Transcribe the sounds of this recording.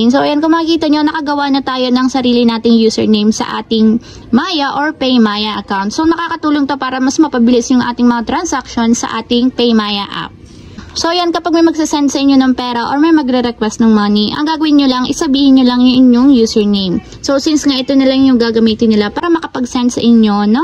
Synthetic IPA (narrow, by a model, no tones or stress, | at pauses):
nsoʔɐjankomɐkɪkiːt̪ɐɲo̞nɐkɐɡɐwanɐt̪aːjo̞nɐŋsɐɾiːlɪnaːt̪ɪŋjuːsɛ̰ɹnejmsɐ̰ʔa̰ːt̪ɪŋ | maːjɐʔoɹpɛjmajɐʔɐkawnt̪̚sonɐkaːkɐt̪uːloŋt̪o̞paːɾɐmɐsmɐpɐbɪlɪsjʊŋʔa̰ːt̪ɪŋmɐŋat̪ɾɐnsakʃo̞nsɐ̰ʔaːt̪ɪŋpejmajɐʔa̰p̚ | so̞jankɐpaɡ̚mɐjmɐɡsɪsɛnt̪sɐʔɪɲo̞nɐŋpɛːɾɐʔo̞ɹmɐjmɐɡɾɛɾɛkwɛst̪̚nɐŋmɐniʔɐ̰ŋɡaːɡɐwɪnɲolɐŋʔɪsɐbiːhɪnɲolɐŋjʊŋʔɪɲjoŋjuːsɛɹnejm | so̞sinsŋaʔɪt̪onɪlaŋjʊŋɡaːɡɐmiːt̪ɪnɪlapaːɾɐmɐkɐpɐɡsɛnt̪sɐʔɪɲjo̞no